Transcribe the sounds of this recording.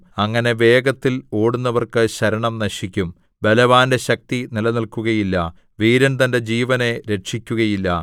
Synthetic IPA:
ɐŋːɐne̞ʋe̞ːɡɐt̪ːiloːɽun̪ːɐʋɐrkɨɕɐɾɐɳɐmnɐɕikʲːum | belɐʋaːnde̞ɕɐk̚t̪inilɐnilkuɣɐjilːɐ | ʋiːɾɐnt̪ɐnde̞d͡ʑiːʋɐne̞ɾe̞ʈʂikʲːuɣɐjilːɐ

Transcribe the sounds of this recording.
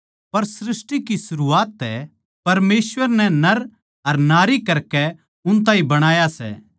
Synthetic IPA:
pɐɾsɾɪsʈikisʊɾuaːt̪ːɛ | pɐɾmeːsʋəɾnɛnɐɾ | ɐɾnaːɾikɐɾkɛ | ʊnt̪ãːĩbɐɽ̃aːjasɛ̰ː

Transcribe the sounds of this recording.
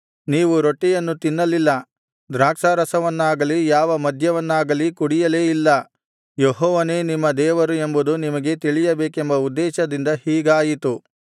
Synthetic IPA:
niːʋuɾoʈːɛjɐnːut̪inːɐlilːɐ | d̪ɾaːkʂaːɾɐsɐʋɐnːaːɡɐlijaːʋɐmɐd̪ʱjɐʋɐnːaːɡɐlikuɽijɐle̞ːilːɐ | jeɦɔːʋɐne̞ːnimːɐd̪ɛːʋɐɾue̞mbud̪unimɐɡe̞t̪iɭijɐbeːkembɐud̪ːɛːʃɐd̪ind̪ɐhiːɡaːjit̪u

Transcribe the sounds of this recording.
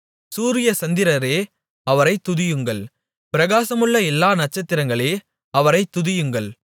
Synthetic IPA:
suːɾɪjɐsɐnd̪ɪɾɐɾeː | ɐʋɐɾɐɪt̪ːʊðɪjɯŋɡɐɭ | pɪɾɐɣaːsɐmɯɭːɐɛlːaːnɐʈ̚t͡ʃːɐt̪ːɪɾɐŋɡɐɭeː | ɐʋɐɾɐɪt̪ːʊðɪjɯŋɡɐɭ

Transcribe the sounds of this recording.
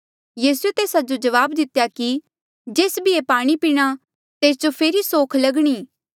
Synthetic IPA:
jiːsuet̪eːsad͡ʒod͡ʒɐʋaːbd̪ɪt̪jaki | d͡ʒeːsbʱiepaːɽ̃ipiːɽ̃a | t̪eːsd͡ʒopʰeːɾisoːkʰlɐɡɽ̃iː

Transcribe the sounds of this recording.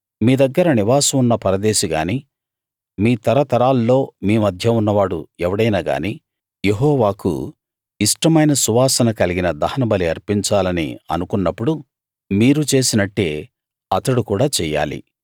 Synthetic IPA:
miːd̪ɐɡːɐɾɐniʋaːsɐmunːɐpɐɾɐd̪eːʃiɡa̰ːni | miːt̪ɐɾɐt̪ɐɾaːlːo̞ːmiːmɐd̪ʱjɐunːɐʋaːɽuɛʋɐɽɐjnaːɡa̰ːniː | je̞ɦɔːʋaːkṵ | iʂʈɐmɐjnɐsuʋaːsɐnɐkɐliɡinɐd̪ɐhɐnɐbɐliɐɾpiɲt͡ʃaːlɐnḭɐ̰nukunːɐpːuɽu | miːɾut͡ʃe̞ːsinɐʈːe̞ː | ɐt̪ɐɽukuːɽaːt͡ʃɛːja̰ːlḭ

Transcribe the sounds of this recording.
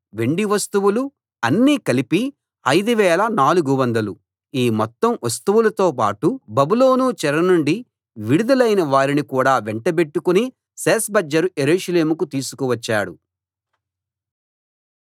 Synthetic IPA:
ʋe̞ɳɖiʋɐst̪uʋulu | ɐnːiːkɐlipi | ɐjd̪uʋɛːlɐnaːluɡuʋɐnd̪ɐlu | iːmɔt̪ːɐmʋɐst̪uʋulɐt̪o̞ːpa̰ːʈubɐbulo̞ːnut͡ʃɛɾɐnuɳɖi | ʋiɽud̪ɐlɐjnɐʋaːɾinikuːɽaːʋeɳʈɐbe̞ʈːukuni | seːsbɐd͡ʒːɐɾujeɾuːʃɐle̞ːmukut̪iːsu̥kuʋɐt͡ʃːa̰ːɽṵ

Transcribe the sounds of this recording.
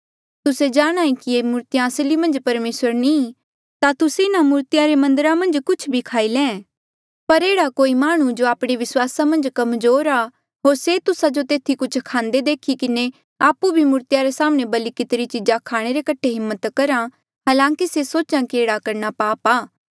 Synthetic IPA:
t̪ʊsed͡ʒaːɽ̃aːĩkiemʊːɾt̪ijãːslimɐ̃nd͡ʒpɐɾmeːsəɾnĩː | t̪at̪ʊseɪnamuːɾt̪ɪjaɾemɐ̃nd̪əɾamɐ̃nd͡ʒkʊt͡ʃʰbʱikʰaːilɛ̃ː | pɐɾeːɽakoːimaːɽ̃ũd͡ʒoaːpɽ̃eʋɪswaːsamɐ̃nd͡ʒkɐmzoːɾaː | ɦoːɾset̪ʊsad͡ʒot̪eːt̪ʰikʊt͡ʃʰkʰãːnd̪ed̪eːkʰikɪne | aːpubʱimuːɾt̪ɪjaɾesaːmñebɐlikɪt̪ɾit͡ʃɪd͡ʒakʰaːɽ̃eɾekɐʈʰeɦɪmːət̪kɐɾã | ɦaːlãːkisesoːt͡ʃãkieːɽakɐɾñapaːpaː

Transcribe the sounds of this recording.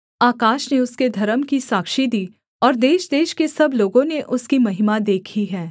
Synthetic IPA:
aːkaːʃneʊsked̪ʱɐɾəmkisaːkʃid̪iː | ɔːɾd̪eːʃd̪eːʃkesɐbloːɡõneʔʊskimɐɦɪmad̪eːkʰiɦɛː

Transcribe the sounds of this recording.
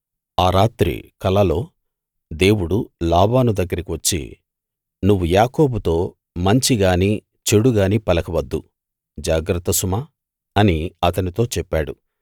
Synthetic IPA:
aːɾaːt̪ɾḭkɐlɐlo̞ː | d̪e̞ːwuɽulaːbaːnud̪ɐɡːɐɾikiʋɐt͡ʃːḭ | nuʋːujaːko̞ːbut̪o̞ː | mɐɲt͡ʃiɡaːniː | t͡ʃeɽuɡaːniːpɐlɐkɐʋɐd̪ːṵ | d͡ʒaːɡɾɐt̪ːɐsumaː | ɐniɐt̪ɐnit̪o̞ːt͡ʃɛpːaːɽṵ

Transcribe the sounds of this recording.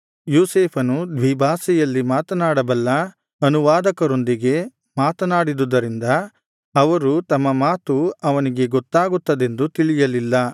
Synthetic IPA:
juːseːpʰɐnud̪ʋibʱaːsɛjɐlːimaːt̪ɐnaːɽɐbɐlːɐ | ɐnuʋaːd̪ɐkɐɾo̞nd̪iɡe̞ | maːt̪ɐnaːɽid̪ud̪ɐɾind̪ɐː | ʋɐɾut̪ɐmːɐmaːt̪uɐʋɐniɡe̞ɡɔt̪ːaːɡut̪ːɐd̪e̞nd̪ut̪iɭijɐlilːɐ

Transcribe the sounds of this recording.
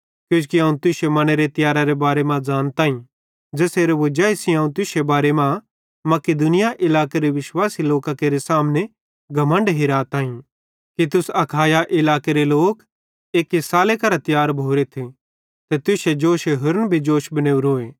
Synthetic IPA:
kjõːt͡ʃkiãːũt̪ʊsemɐneɾet̪ɪjaːɾaɾebaːɾemãd͡ʒaːnt̪ãːĩ | d͡ʒeːseːɾeʋod͡ʒaːisĩɦãːũt̪ʊsebaːɾemã | mɐked̪ʊnɪjaʔɪlaːkeɾeʋɪʃwaːsiloːkakeɾesaːmne | ɡʱɐmə̃ɳɖɦɪɾaːt̪aːĩ | kit̪ʊsɐkʰaːjaʔɪlaːkeɾeloːk | eːkɦesaːlekɐɾat̪ɪjaːɾbʱoːɾet̪ʰi | t̪et̪ʊsed͡ʒoːʃeɦʊɾnbʱid͡ʒoːʃbɐneːuɾoːeː

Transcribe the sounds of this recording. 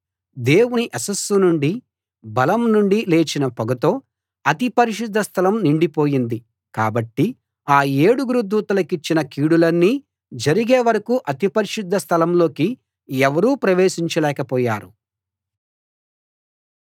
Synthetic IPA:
d̪e̞ːwuniʔɐsɐsunuɳɖi | bɐlɐmnuɳɖileːt͡ʃinɐpɔɡɐt̪o̞ː | ɐt̪ipɐɾiʃud̪ʱːɐst̪ʰɐlɐmniɳɖipo̞ːjind̪i | ka̰ːbɐʈːi | aːeːɽuɡuɾud̪ːuːt̪ɐlɐkit͡ʃːinɐkiːɽulɐnːi | d͡ʒɐɾiɡeːʋɐɾɐkuʔɐt̪ipɐɾiʃud̪ʱːɐst̪ʰɐlɐmlo̞ːki | ɛʋɐɾuːpɾɐʋeːʃiɲt͡ʃɐlɛːkɐpɔːja̰ːɾu

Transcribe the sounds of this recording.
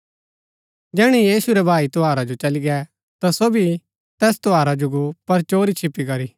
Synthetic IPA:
d͡ʒɛːɽ̃ijiːsuɾɛbʱaːit̪ɔɦaːɾad͡ʒot͡ʃɐliɡɛ | t̪asoːbi | t̪ɛːst̪ɔaːɾad͡ʒoɡopɐɾt͡ʃoːɾit͡ʃʰɪpːikɐɾiː

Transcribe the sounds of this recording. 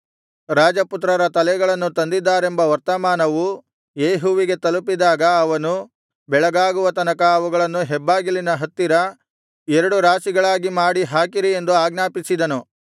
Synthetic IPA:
ɾaːd͡ʒɐput̪̬ɾɐɾɐt̪ɐlɛɡɐɭɐnːut̪ɐnd̪id̪ːaːɾe̞mbɐʋɐɾt̪ɐmaːnɐʋu | jeːɦuʋiɡe̞t̪ɐlupid̪aːɡɐːʋɐnu | bɛɭɐɡaːɡuʋɐt̪ɐnɐkɐːʋuɡɐɭɐnːuɦɛbːaːɡilinɐɦɐt̪ːiɾɐ | ɛɾɐɽuɾaːsiɡɐɭaːɡimaːɽiɦaːkiɾiend̪uaːɡnaːpisid̪ɐnu

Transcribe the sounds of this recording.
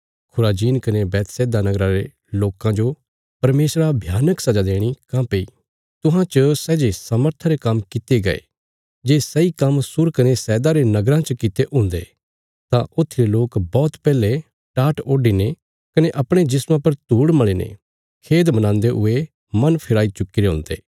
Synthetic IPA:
kʰʊɾaːd͡ʒiːnkɐnebɛːt̪sɛːd̪anɐɡɾãɾe | loːkãd͡ʒo | pɐɾmeːsɾabʱjaːnəksɐd͡ʒad̪eːɽ̃ikãːpei | t̪ʊɦãt͡ʃəsɛːd͡ʒesɐməɾt̪ʰaɾekɐmkɪt̪eɡɐ̰ḛ | d͡ʒeːsɐikɐmsʊɾkɐnesɛːd̪aɾenɐɡɾãt͡ʃəkɪt̪eʔɦʊ̃ːnd̪ḛː | t̪ãʔʊt̪ʰːiɾeloːkbɔːt̪pɛːle | ʈaːʈoːɖine | kɐneʔɐpɽ̃ed͡ʒɪsmãpɐɾt̪uːɽmɐɭenḛ | kʰeːd̪mɐnãːnd̪eɦʊe | mɐnpʰɪɾaːit͡ʃʊkːiɾeɦʊ̰̃ːnd̪ḛː

